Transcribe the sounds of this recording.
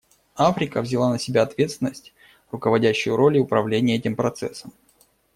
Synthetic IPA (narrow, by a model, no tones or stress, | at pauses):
afɾʲɪkəvzʲɪlˠanəsʲɪbʲaɐt̪vʲe̞t̪sʲɪnːəsʲtʲ | rʊkəvɐdʲæɕːʊjʊɾo̞lʲɪʊpɾɐvlʲenʲɪjəɛtʲɪmpɾɐt̪sɛ̰sːəm